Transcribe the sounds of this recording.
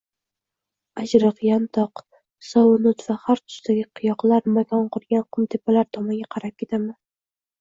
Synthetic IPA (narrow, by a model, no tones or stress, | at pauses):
ad͡ʒɾɨqjant̪ʰɒq | sɒwnʊt̪vahaɾt̪ʰʊ̥st̪aɡʲɪqʰɨjɒqlaɾmakʰʲɒnqʊɾɡʲanqʰʊnt̪ʰepalaɾt̪ʰɒmɒnɡʲaqʰɑɾap̚kʲʰe̞t̪ʰaman